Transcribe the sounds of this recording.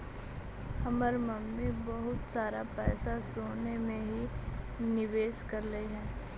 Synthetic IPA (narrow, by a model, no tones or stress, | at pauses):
hɐməɾmɐmːibɐɦʊt̪saːɾapɛːsasoːnemẽɦi | nɪʋeːʃkɐɾləiɦɛ̃ː